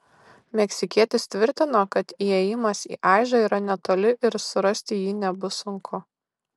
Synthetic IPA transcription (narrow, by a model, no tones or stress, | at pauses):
mʲɛksʲɪkʲiɛt̪ʲɪst̪ʲʋʲɪɾʲt̪ʲɪnoːkɐt̪iːɛjɪmɐsḭːʔɑˑɪʒɐiːɾɐnʲɛt̪oːlʲɪʔɪɾsʊɾɐsʲt̪ʲɪjiːnʲɛbʊsʊŋkʰʊ